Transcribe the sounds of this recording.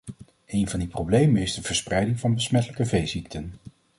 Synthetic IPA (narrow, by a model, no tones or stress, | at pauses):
ejnvɑndiprowblejmənɪzdəvəɹsprɛjdɪŋvɑnbəsmɛtələkəvejzik̚tʰən